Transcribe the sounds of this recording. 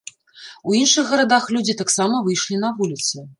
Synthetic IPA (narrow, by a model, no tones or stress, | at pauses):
uinʂɨxɣɐɾad̪axlʲud͡zʲit̪aksamɐvɨjʂlʲinɐvulʲit̪sɨ